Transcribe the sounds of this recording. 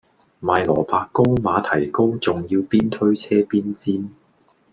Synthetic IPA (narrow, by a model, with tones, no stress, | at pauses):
maː˨˧jlɔ̰ː˨˩paː˧kːo˥wmaː˨˧t̪ʰɐ˨˩jko˥wt͡sʊ˨ŋjiː˧wpiː˥nt̪ʰɵ˥ɥt͡sʰɛː˥piː˥nt͡siː˥n